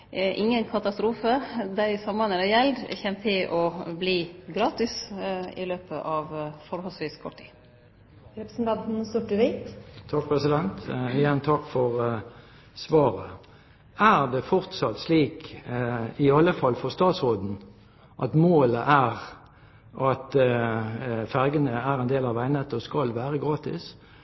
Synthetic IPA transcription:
ʔɪŋːənkʰɑt̪ɑst̪ɾuːfəd̪æɪsɑmːɑnəɾæjɛld̪̰çɛmt̪ʰɪʔɔbliːɡɾɑːt̪ɪsɪ̰løːpəʔɑʋfɔɾhɔlsʋiːskʰɔʈʰːḭː | ɾɛpɾsn̩t̪ɑnt̪n̩st̪ʊʈːəʋɪt̪t̪ʰɑk̚pʰʁɛsɪd̪ɛnt̪ɪjɛnt̪ʰɑkːfɔʁ | sʋɑːʁə | æʁd̪ɛfɔʁt̪sɑt̪sliːk | ɪɑlːəfɑlfɔʁst̪ɑːt̪sʁoːd̪n̩ | ʔɑt̪moːləʔæʁ | ʔɑt̪ | fæʁɡənəæʁɛnd̪eːlɑʋæɪnət̪ːəskɑlʋæːʁəɡʁɑːt̪ɪ̰s

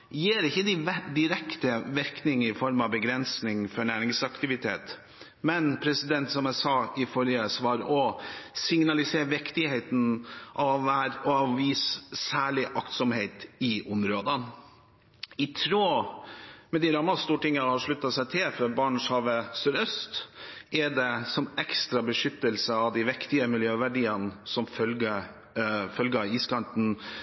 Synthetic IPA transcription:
jeːɾɪçːəd̪ɪd̪ɪɾɛkt̪əʋɪɾknɪŋɪfɔɾmɑbəɡɾɛnsnɪŋfɔɳæːɾɪŋsɑkt̪ɪʋɪt̪ʰḛːt̪ | mɛnpʰɾɛsɪd̪ɛnt̪sɔmæɪsɑːɪfɔɾjəsʋɑːɾɔsɪŋnɑlɪseːʋɪkt̪ɪheɪt̪n̩ʔɑʋʋæːɾɔɑʋiːssæːɭɪʔɑkt̪sɔmheɪt̪ɪʔʊmɾoːd̪ə | ɪt̪ʰɾoː | mɛd̪ɪɾɑmːɑst̪uːʈɪŋːəhɑʂɭʉt̪ːɑsæɪt̪ʰɪlfɔbɑːɳshɑːʋəsyɾœst̪ʔɛɖɛsɔmɛkst̪ɾɑbəʂʏt̪ːəlsəɑʋd̪ɪʋɛkt̪ɪəmɪljøːʋæɖiːənsɔmfœlɡə | fœlɡəɑiːskɑnt̪n̩

